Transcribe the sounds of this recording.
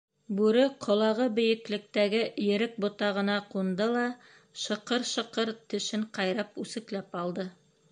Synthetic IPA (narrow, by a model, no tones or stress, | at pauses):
bʉɾɘqʰŏlˠɑʁɤbɘ̆jɘ̆klɘ̆k̚t̪æɡɘjɘ̆ɾɘk̚bŏt̪ɑʁɤ̆nɑqund̪ɤlˠɑ | ʃɤ̆qɤɾʃɤ̆qɤɾt̪ɵ̆ʃɘɴqɑjɾɑpʉsɘ̆klæpɑlˠd̪ɤ